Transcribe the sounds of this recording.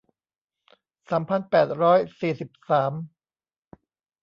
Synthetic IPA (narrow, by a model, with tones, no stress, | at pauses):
saː˩˦mpʰa˧npɛː˨˩t̪̚ɾɔː˦˥jsiː˨˩si˨˩p̚saː˩˦m